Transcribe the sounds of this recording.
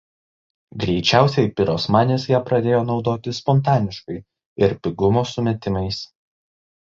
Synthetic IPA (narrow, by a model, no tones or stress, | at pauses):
ɡɾʲɛɪt͡ʃʲæˑʊsʲɛɪpʲɪɾoːsmɑːnʲeːsjɛːpɾɐd̪ʲeːjoːnɒʊd̪oːt̪ʲɪspɔnt̪̬ɑːnʲɪʃkɐɪ | ɪɾpʲɪɡʊmoːsʊmʲɛt̪ʲɪmɐɪs